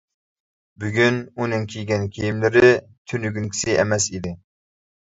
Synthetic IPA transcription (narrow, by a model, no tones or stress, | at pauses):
byɡʲynunɨŋkʲʰejɡʲɛnkʲʰejimlɪɾɪ | t̪ʰynyɡʲynkʲʰi̥sɪʔɛ̰mɛsid̪ɪ